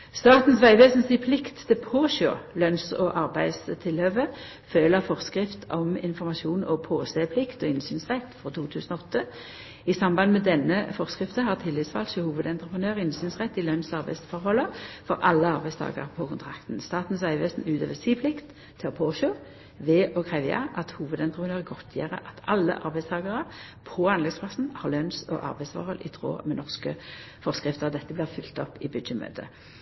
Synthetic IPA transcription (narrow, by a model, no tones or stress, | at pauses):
st̪ɑːt̪n̩sʋæɪʋeːsn̩siːpʰlɪkt̪ʰːɪlpʰoːʃo̰ːlœnsɔʔɑʁbæɪst̪ʰɪlhøːʋə | føːləʁfɔʁskʁɪft̪ɔmɪ̰nfɔʁmɑʃuːnɔpʰoːseːpʰlɪkt̪ɔɪnsyːnsʁɛt̪ːfʁɔt̪ʰuːt̪ʰʉːsənɔɔt̪ːə | isɑmbɑnmɛd̪ɛnəfɔʁskʁɪft̪əhɑːʁt̪ʰɪlʋɪːt̪sfɑ̰lt̪ʃəhuːʋəd̪ɛnt̪ʁəpʁənøːʁɪnsyːnsʁɛt̪ːɪlœnsɑʁbæɪsfɔʁhɔlːəfɔʁɑlːəɑʁbæɪst̪ʰɑ̰ːɡə̰ʁpʰɔkʰʊnt̪ʰʁɑkt̪n̩st̪ɑːt̪n̩sæɪʋeːsn̩ʉːt̪ʰøːʋəsiːpʰlɪkt̪ʰː | ɪɔpʰoːʃoː | ʋɛːʔɔkʰʁɛʋjɑ̰ʔɑt̪huːʋəd̪ɛnt̪ʁəpʰənøːʁəɡɔt̪ʰjæ̰ːʁə̰ʔɑt̪ɑlːə̰ʔɑʁbæɪst̪ʰɑːɡəʁə | pʰɔɑnlɛɡspʰlɑsn̩hɑʁlœnsɔ̰ʔɑ̰ʁbæɪsfɔ̰ʁhɔlʔɪ̰t̪ʰʁo̰ːmɛnɔʁskə | fɔʁskʁɪft̪əʁd̪ɛt̪ːəblɪːʁfʏlt̪ɔpːɪbʉd̪jəmø̰ːt̪ʰə